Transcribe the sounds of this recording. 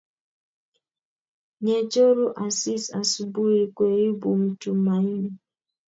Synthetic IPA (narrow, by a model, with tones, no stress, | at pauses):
ɲe˨t͡ʃo˦ɾu˦ʔa˨si˦sa˨su˨bu˦ɾi˨kʷe˨ɾi˦bu˨m̩˦tu˨˦ma˨i˦ne˨